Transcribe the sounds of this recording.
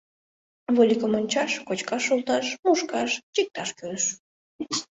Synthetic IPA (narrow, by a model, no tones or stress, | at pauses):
volʲikəmonʲt͡ɕɑʃkot͡ɕkɑʃulˠt̪ɑʃmuʃkɑʃt͡ɕik̚t̪ɑʃkøʃ